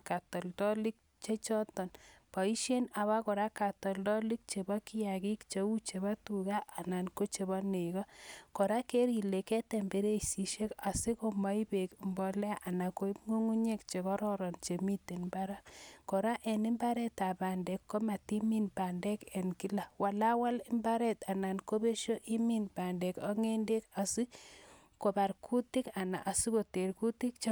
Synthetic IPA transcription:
ka˨tɔ˨ldɔ˦li˦k̚ | t͡ʃe˦t͡ʃɔ˦tɔ˨npa˨i˦ʃe˦na˨βa˦kɔ˨ɾa˦ka˨tɔ˨ldɔ˦li˦k̚t͡ʃe˨ba˦ki˦ja˨ki˦kt͡ʃe˨u˦t͡ʃe˨βa˦tu˨ɡa˦ʔa˨na˨nko˦t͡ʃe˨βa˦ne˨ɣɔ˦kɔ˨ɾa˦ke˦ɾi˨le˨ke˦te˨mbe˦ɾe˦si˨ʃe˦ka˨si˦ko˦ma˦i˦be˨kmbɔ˦le˦ʔa˨na˨ko˦i˦pŋo˦ŋu˦ɲe˦kt͡ʃe˨kɔ˦ɾɔ˦ɾɔ˨nt͡ʃe˨mi˦te˨nmba˦ɾa˦kɔ˨ɾa˦ʔe˨nɪ˦mba˦ɾɛ˦ta˨ba˨nde˨kːo˦ma˨ti˦mi˦nba˨nde˦ke˨nki˦la˨wa˨la˦wa˦lɪ˦mba˦ɾɛ˦ta˨na˨nko˦be˦ʃo˦ʔi˦mi˦nba˨nde˨ka˦ŋe˦nde˦ka˨si˦ | ko˨ba˨ɾkʰu˦ti˦ka˨na̰˨ʔa˨si˦ko˨te˨ɾku˦ti˦kt͡ʃ

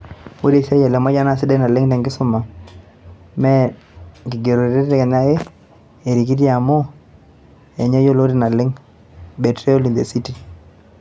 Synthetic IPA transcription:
wo˦ɾe˦˨sɛ˦jɛ˨lɛ˨ma˦d͡ʒa˦na˨sɪ˦dɛ˦na˨lɪ˦ŋtɛ˨ŋɡɪ˦sʊ˦ma˨ | mɛ˦ | ɡi˨ɡe˨ɾo˨ɾe˦ttɛ˦kɛ˨ɲa˦e˦ | e˨ɾi˨k̬i˦tja˨mo˦ | ɛ˨ɲɛ˦jo˦lo˦ɾi˦na˨lɪ˦ŋ | be˨tɾɛ˦o˦li˨nde˨si˦ti˦

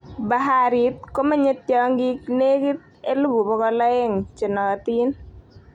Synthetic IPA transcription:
ba˨ɦa˦ɾi˨t̪̚ko˦ma˦ɲe˦tjɔ˨˦ŋɡi˦kne˦ki˦t̪̚ | e˦lu˦bu˨bɔ˦kɔ˦la˦ɛ˦ŋt͡ʃe˨nɔ˨ka˨t̪i˦n

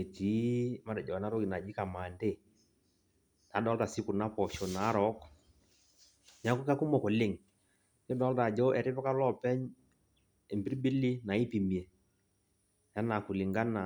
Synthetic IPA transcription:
e˨ti˨˦ma˦dɛ˨d͡ʒɔ˨a˨na˦ɾɔ˦ki˨na˨d͡ʒi˦ka˨ma˨nde˦˨ | na˨˦dɔ˨˦lta˨si˦kʊ˨na˦pɔ˨ʃɔ˨na˨˦ɾɔ˦k | ɲa˨˦ku˦ka˦ku˦mɔ˨kɔ˨lɪ˦˨ŋ | jɔ˦dɔː˦lta˨d͡ʒɔ˦ʔɛ˨ɾɪ˦pɔ˦ka˦lɔ˦˨pɛ˦ɲ | ɛ˨mbi˦ɾbi˦li˦na˨i˦pi˨mi˨e˨ | ja˦na˨ku˨lɪ˨ŋɡa˦na˨

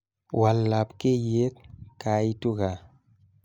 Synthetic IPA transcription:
wa˨lːa˨pke˦je˦t̪̚ka˨i˦tu˦ɡa˨

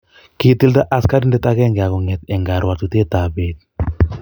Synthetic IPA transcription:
ki˦ti˦lta˦ʔa˦ska˦di˦ndɛ˦ta˦kɛ˦ŋɡa˨kɔ˨ŋɛ˨tɛ˨ŋɡa˨ɾwa˨tu˦te˦ta˨be˨t̚

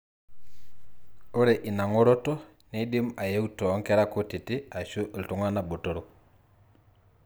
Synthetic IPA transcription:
o˦ɾe˨ʔɪ˨na˨ŋo˦ɾo˦to˦ | ni˦dɪ˦ma˨je˦u˦tɔ˨˦ŋkɛ˦ɾa˦ko˦tɪ˨tɪ˦a˨ʃu˦ʔltu˨ŋa˦na˦˨bo˨to˨ɾo˦

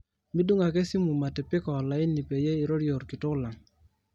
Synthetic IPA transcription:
mi˦du˦ŋa˨ke˦si˦mu˨ma˨tɛ˨pɪ˦kɔ˨la˨ɪ˦ni˨pe˨je˦i˨ɾo˦ɾjo˨ɾkɪ˨tʊ˦la˨ŋ

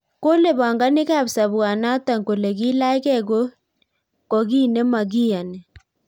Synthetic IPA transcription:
ko˦le˦˨ba˨ŋɡa˦nɪ˦ka˦˨bsa˨bwa˨na˦ta˨ŋko˨le˨ɡi˦la˦ɪ˦kɛ˦˨ɡo˦ | kɔ˨ɡi˦ne˦ma˨ɡi˦a˨nɛ˨

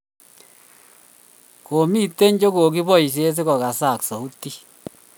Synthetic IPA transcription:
ko˨mi˦te˦ɲd͡ʒo˦ko˨ki˦βɔ˦i˨s̬e˦s̬e˦ɣɔ˨ɣa˨sa˦˨ksɔ˨u˦ti˦

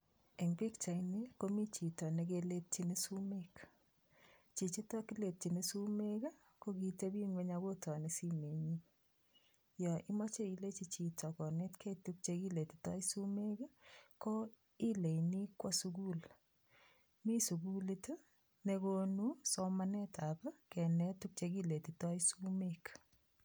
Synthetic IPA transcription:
e˨ŋbi˦kt͡ʃa˨ne˦ko˦mi˦t͡ʃi˨tɔ˨nekele˦t̚t͡ʃi˦nisu˦mek | t͡ʃi˨t͡ʃi˦tɔ˦ki˦le˨t̚t͡ʃi˨ni˦su˦meka˦ | ko˦ki˨te˦bi˦ŋwe˦ɲaɡo˦tɔ˨ne˨si˦me˨ɲi | jɔ˨i˦mɔ˦t͡ʃe˦i˦le˦t͡ʃi˦t͡ʃi˨tɔ˨kɔ˨ne˦tkʰe˦tu˦k̚t͡ʃeki˦le˨ti̥˨tɔ˦i˦su˦me˦ka˦ko˦ | i˦le˨ni˦kːwɔ˦suɡu˦l | mi˦su˨ku˦li˦t | ne˧ko˦nu˦so˦mane˦taba˦kɛ˨nɛtuk̚t͡ʃeki˦le˨ti˨tɔ˦isu˦mek

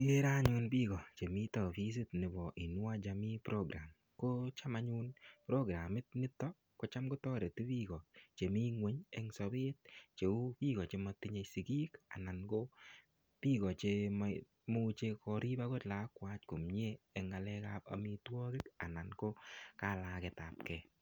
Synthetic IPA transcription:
e˦ɾa˦ɲu˧nbi˦ɡɔ˨t͡ʃe˨mi˦tɔ˨fi˦s̬i˦tnɪ˨bɔ˨ʔi˨nwa˦d͡ʒa˨mi˦pɾo˦ɡɾa˨m | ko˦t͡ʃa˦ma˦ɲu˦npɾo˦ɡɾa˨mɪ˦t̚nɪ˦tːɔ˦ | ko˦t͡ʃa˦mko˦tɔ˦ɾe˨ti˦bi˦ɡɔ˨t͡ʃe˨mi˦ŋwe˦ɲɛŋsɔ˨bɪ˦t̚t͡ʃe˨u˦pi˦kɔ˨t͡ʃe˦ma˨ti˦ɲe˧si˨ki˦ka̰˨na˨nko˦ | pi˦kɔ˨t͡ʃe˧m | mu˦t͡ʃe˧kɔ˧ɾi˦ba˦kɔ˦tla˨˦kwa˦t͡ʃko˨mɲeː˦˨ŋa˨lɛ˦ka˦pa̰mi˦twɔ˦kɪ˦ka˨na˨nko˦ka˦la˨kɛ˨ta˨p̚kɛ

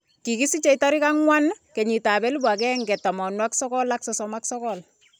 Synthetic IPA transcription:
ki˨ki˦si˦t͡ʃɛ˦jtaɾi˦ka˦ŋwankɛ˨ɲi˨ta˨bɛ˦li˦bwa˨kɛŋɡɛ˨ta˨mɔ˨nwa˦ksɔ˦kɔ˦laksɔsɔmaksɔkɔl

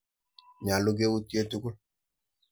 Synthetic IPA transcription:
ɲa˨lo˦ɡe˦wu˦ti˦e˦tu˦ɡu˦l

